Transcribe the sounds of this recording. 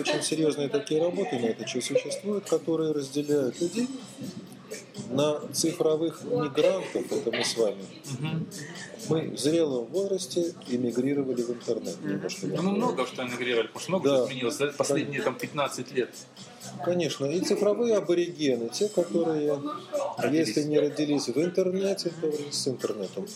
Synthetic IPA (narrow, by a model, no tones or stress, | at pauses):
o̞t͡ɕɪnʲsʲɪɾʲjo̞znɨjət̪ɐkʲijəɾɐbo̞t̪ɨnɐɛt̪ət͡ɕɪsʊɕːɪst̪vujʊt̪kɐt̪o̞ɾɨjəɾəzʲdʲɪlʲæjʊt̪lʲʉdʲej | nət̪sɨfɾɐvɨxmʲɪɡɾant̪əfɛt̪əmɨsvamʲɪ | ɦ̩ | mɨvzɾʲe̞lˠəmvo̞zɾəsʲtʲɪɪmʲɪɡɾʲiɾəvəlʲɪvɨnt̪ərnɛt̪nʲɪmnoʂkənumnoɡəʂt̪oɪmʲɪɡɾʲiɾəvəlɪpmoʂt̪mnoɡd̪aɪzmʲɪnʲilˠəsʲd̪apɐsʲedʲnʲɪjət̪ampʲɪt̪nat̪sɨtʲlʲet̪ | kɐnʲe̞ʂnəit̪sɨfɾɐvɨjəɐbəɾʲɪɡʲenɨtʲekɐt̪o̞ɾɨjə | jesʲlʲɪnʲɪɾədʲɪlʲisʲvɨnt̪ɨrnɛtʲɪt̪ovɾʲsɨnt̪ərnɛt̪əm